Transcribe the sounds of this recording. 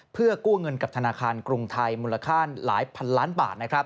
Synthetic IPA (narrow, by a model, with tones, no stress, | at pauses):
pʰɯ˥˩ɐkuː˥˩ŋɤ˧nka˨˩p̚t̪ʰa˧naː˧kʰaː˧nkɾu˧ŋt̪ʰa˧jmuː˧la˧kʰaː˥˩nla̰ː˩˦jpʰa˧nlaː˦˥nba̰ː˨˩t̪̚na˦˥kʰɾa˦˥p̚